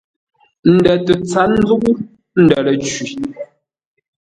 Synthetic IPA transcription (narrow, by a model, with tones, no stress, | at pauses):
n̩˨dɛ˨tə˨t͡sa˨˦n˦d͡zu˦ku˦ | n̩˦˨də˨lə˨t͡ʃwi˨